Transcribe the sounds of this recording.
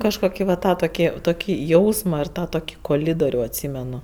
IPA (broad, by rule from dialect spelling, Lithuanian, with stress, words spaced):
ˈkɑːʃkoːkʲɪ ʋɐ ˈtɑː toːˈkʲɪ toːˈkʲiː ˈjɛʊsmɐ ɪr ˈtɑː toːˈkʲiː koːˈlʲɪdoːrʲʊ ɐtʲˈsʲiːmʲɛnʊ